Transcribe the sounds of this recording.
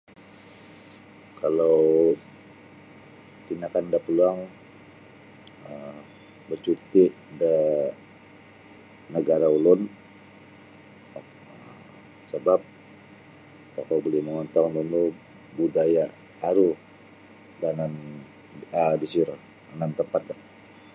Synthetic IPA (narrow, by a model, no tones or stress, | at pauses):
kalo | t̪inakandapəluaŋ | ə | bərt͡ʃut̪iʔdə | nəɡaɾaulʊn | səbap̚ | kakabolɛhməŋɔnt̪aŋnt̪unlo | budajaː | ɾu | danan | ədisiɾa | anant̪əmpat̪̚la